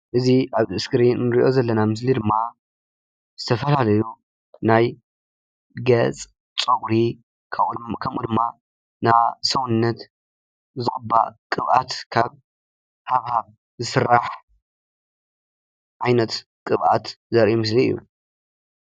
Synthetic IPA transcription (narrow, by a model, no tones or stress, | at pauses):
ʔɨziʔaβɨɨskɨɾinnɨɾiʔo̞zɐlːɐnamɨs̬lid̪ɨmːa | zɨt̪ʰɐfɐlalɐju | naj | ɡɐt͡sʼ | t͡sʼoɡɾi | kʰɐmʔud̪ɨmːa | nasɐwnɨnːɐt̪ | zɨχʼɨbːa̰kʼɨβʔat̪kʰaβ | haβhaβ | zɨsɨrːaħ | ʕajnɐt̪ | kʼɨβʔa̰t̪ | zɐɾʔumɨs̬liɨ̰jṵ